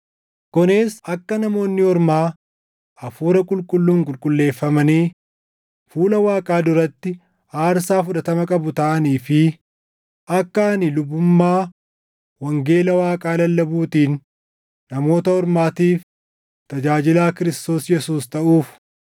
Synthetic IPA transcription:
kɔneːsɐkːɐnɐmo̞ːnːɪɔɾmaː | ɐfuːɾɐkʼʊlkʼʊlːuːŋkʼʊlkʼʊlːe̞ːfːɐmɐniː | fuːlɐwaːkʼaːd̪ʊɾɐt̪ːɪ | aːɾsaːfʊᶑɐt̪ɐmɐkʼɐbʊt̪ɐʔɐniːfɪ | ʔɐkːanɪlʊbːʊmːaː | wɐŋɡe̞ːlɐwaːkʼaːlɐlːɐbuːt̪iːnː | ɐmo̞ːt̪ɐɔɾmaːt̪iːf | t̪ɐd͡ʒaːd͡ʒɪlaːkɪɾɪst̪o̞ːsjɛsuːst̪ɐʔuːf

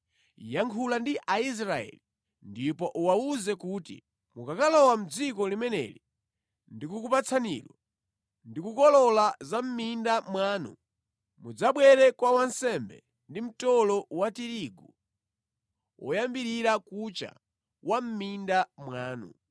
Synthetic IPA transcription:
jaŋkʰulandiʔais̬ɾaɛ̰li | ndipɔʔuwauzɛkuːtḭ | mukakalɔwam̩d͡zikɔlimɛnɛ̰li | ndikukupat͡sʰanḭlwa | ndikukɔlɔlazam̩mindamwaːnṵ | mud͡zaɓwɛɾɛkwawansɛmbɛ | ndim̩tɔlɔwatiɾiɡu | ɔ̰jambiɾiɾakut͡ʃa̰ | wʔam̩mindamwaːnṵ

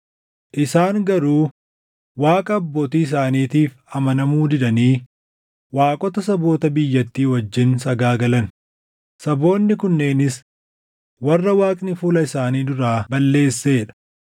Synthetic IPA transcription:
ʔɪsaːŋɡɐɾuː | waːkʼɐːbːo̞ːt̪iːɪs̬aːniːt̪iːf | ɐmɐnɐmuːd̪ɪd̪ɐniː | waːkʼɔt̪ɐsɐbo̞ːt̪ɐbɪjːɐt̪ːiːwɐd͡ʒːɪnsɐɡaːɡɐlɐn | sɐbo̞ːnːɪkʊnːe̞ːnɪs | wɐrːɐwaːkʼnɪfuːlɐɪsaːniːd̪ʊɾaːbɐlːe̞ːsːeːɛᶑɐ̥

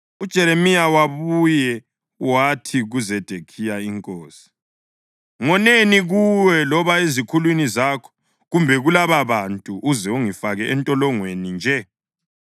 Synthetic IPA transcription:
ud̥ʒ̥ʱɛɾemijawaβujɛ | watʰiɣuzɛd̥ʱekʰijaiŋkʼoːsi̥ | ŋɔneniɣuwɛlɔβaezikʰulwinizakʰɔ̥ | ɣumbʱɛɣulaβaβantʼuʔːzɛuŋifaɣɛʔɛntʼɔlɔŋwenind͡ʒʱɛ

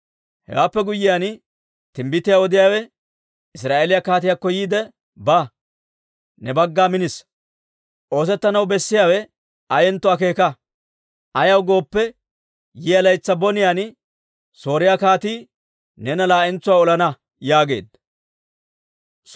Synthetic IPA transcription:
hɛ̰waːpːɛɡʊjːɪjaːn | t̪ɪmbɪt̪ːɪjawɔd̪ɪjaːwɛ | ɪsɾaːʔeːlɪjakaːt̪̬ɪjakːɔjiːd̪ɛ | ba | nɛbɐɡːaːmɪnɪs | ʔo̞ːs̬ɛt̪ːɐnɐwbɛsːɪjaːwɛ | ʔɐjɛnt̪ːʊaːke̞ːkɐ | ʔɐjɐwɡo̞ːpːɛ | jɪjɐlɐjt͡sːɐbɔnɪjaːn | so̞ːɾɪjakaːt̪iː | nɛnɐlaːʔɛnt͡sːʊwaːɔlɐnɐ | jaːɡe̞̰ːd̪

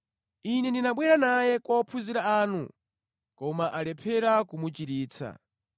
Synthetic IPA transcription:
inɛndinaɓwɛɾanajɛkɔpʰuziɾaaːnṵ | kɔmaʔalɛpʰɛɾakumut͡ʃiɾiːt͡sʰa̰

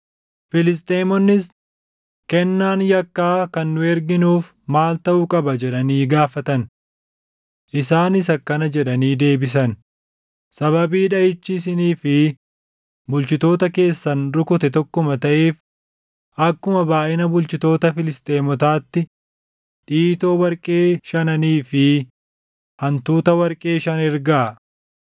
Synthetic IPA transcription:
fɪlɪst̪ʼeːmɔnːɪs | kɛnːaːnjɐkːaːkɐnːʊɛɾɡɪnuːf | maːlt̪ɐʔʊkʼɐbɐd͡ʒɛᶑɐniːɡaːfɐt̪ɐn | ʔɪsaːnɪsɐkːɐnɐd͡ʒɛᶑɐniːd̪e̞ːbɪs̬ɐn | sɐβɐbiːᶑɐjɪt͡ʃːiːs̬ɪniːfɪ | bʊlt͡ʃɪt̪o̞ːt̪ɐke̞ːsːɐnɾʊkʊt̪ɛt̪ɔkːʊmɐt̪ɐʔe̞ːf | ʔɐkːʊmɐbaːʔɪnɐbʊlt͡ʃɪt̪o̞ːt̪ɐfɪlɪst̪ʼe̞ːmɔt̪aːt̪ːɪ | ᶑiːt̪o̞ːwɐɾkʼe̞ːʃɐnɐniːfɪ | hɐnt̪uːt̪ɐwɐɾkʼe̞ːʃɐnɛɾɡa

